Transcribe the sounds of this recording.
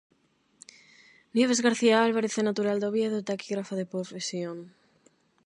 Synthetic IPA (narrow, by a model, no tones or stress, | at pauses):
njeβ̞ezɣaɾθiaalβaɾeθenat̪uɾald̪oβjeðot̪akiɣɾafaðepɾofesjoŋ